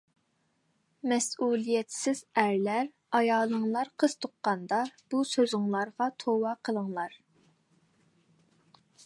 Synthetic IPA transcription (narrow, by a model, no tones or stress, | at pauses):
mɛsulˠijɛt̪sɪz̥æɾlæɾ | ɑjɑːlˠəŋlˠɑɾqʰəz̥t̪ʰoqːɑnd̪ɑb̥usøzɪŋlˠɑɾʁɑt̪ʰowɑqʰəlˠəŋlˠɑɾ